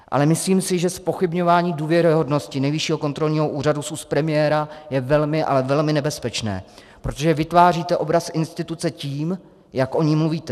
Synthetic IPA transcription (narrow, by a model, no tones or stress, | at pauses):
ʔa̰lɛmɪsliːmsɪʒɛspo̞xɪbɲo̞vaːɲiːduːvjɛɾɪɦo̞dno̞scɪnɛjvɪʃiːɦo̞ko̞nt̪ɾo̞lɲiːɦo̞ʔuːradususpɾɛmɪjɛːɾajɛvɛlmɪʔa̰lɛvɛlmɪnɛbɛspɛt͡ʃnɛ̰ː | pɾo̞t̪o̞ʒɛvɪt̪vaːriːt̪ɛʔo̞bɾasʔɪnst̪ɪt̪ut͡sɛciːm | jakʔo̞ɲɪmluviːt̪ɛ